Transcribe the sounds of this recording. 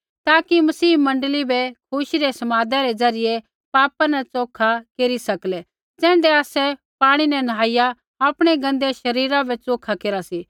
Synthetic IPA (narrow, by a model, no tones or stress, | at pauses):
t̪aːkimɐsiːmɐ̃ɳɖəlibɛkʰʊʃiɾesɐmaːd̪aɾed͡zɐɾɪje | paːpanɛt͡soːkʰakeːɾisɐklɛ | d͡zɛ̃ːɳɖɛaːsɛ | paːɽ̃inɛnɦaːɪja | aːpɽ̃eɡɐ̃nd̪eʃɐɾiːɾabɛt͡soːkʰakeːɾasi